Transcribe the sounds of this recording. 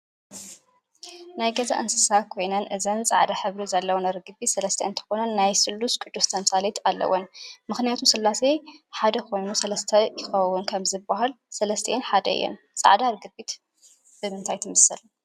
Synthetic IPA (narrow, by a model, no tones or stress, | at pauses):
najɡɐza̰ʔɨnsɨsakʰo̞jnɐnʔɨzɐnt͡sʼa̰ʕd̪aħɨβɾizɐlːɐwonɐɾɨɡɨbit̪sɐlɐst̪ʰɐʔɨnt̪ʰɐ̥xo̞nɐnːajsɨlːuskʼɨd̪ːust̪ʰɐnsʼalit̪ʰalːɐ̰wonmɨxnijat̪ʰusɨlːaseħad̪ɐkʰo̞jnusɐlɐst̪ʰɐjɪxɐwunkʰɐmzɨbːaɦal | sɐlɐst̪ʰɐ̰ʔnħad̪ɐ̰ɨ̰jːo̰n | t͡sʼa̰ʕd̪aɾɨɡɨbit̪ | b̥ɨmɨnt̪ʰajt̪ʰɨmɨsɨl